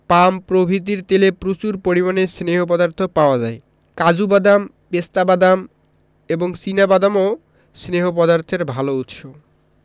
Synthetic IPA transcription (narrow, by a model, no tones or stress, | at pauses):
pampɾobʱit̪̬iɾt̪elepɾut͡ɕuɾpoɾimanesneɦop̬ɔd̪aɾt̪ʰopaoad͡ʑae | kad͡ʑubad̪am | best̪abad̪am | eboŋsinabad̪amo | sneɦop̬ɔd̪aɾt̪ʰeɾbʱalout̪ʃob